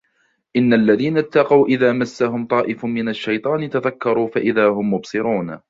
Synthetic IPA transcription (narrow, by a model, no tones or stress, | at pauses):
ʔɪnːalːaðiːnat̪ːɑqɑwʔɪðaːmasːaɦʊmt̪ˤɑːʔɪfmmɪnaʃːajt̪ˤɑːnɪt̪aðakːɑɾˤuːfaʔɪðaːhʊmjʊbsˤɨɾuːn